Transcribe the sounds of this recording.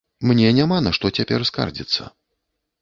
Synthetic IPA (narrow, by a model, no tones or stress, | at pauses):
mnʲɛnʲamanaʂt̪ɔt͡sʲapʲɛ̰rska̰rd͡zʲit̪sːə̰